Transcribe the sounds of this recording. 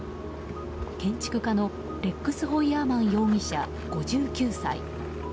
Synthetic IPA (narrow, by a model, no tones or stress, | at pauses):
kẽ̞ɲ̟t͡ɕi̥kɯ̟kano̞ | ɾe̞kːɯ̟sɨɦo̞iaːmãɰ̃jo̞ːmʲiɕa̰ | ɡ̥o̞ʑɨːkʲɨːsa̰ḭ